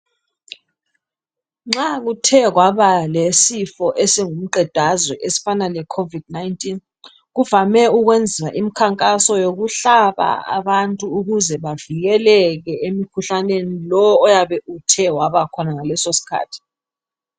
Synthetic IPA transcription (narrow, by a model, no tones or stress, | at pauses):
ŋ͡ǁaɣutʰɛɣwaβalesifɔʔesiŋum̩ǃʱɛd̥ʱazwɛʔesi̥fanalɛkʰovid̥̚najntʼin | ɣuvamɛuɣwend͡zʱiwaʔimikʰaŋkʼasɔjoɣuɬaβa̰a̰βantʼuːɣuzɛβaviɣɛlɛɣɛemikʰuɬanenilɔːjaβɛʔutʰɛwaβakʰɔnaŋalɛsosi̥kʰa̰ːtʰi̥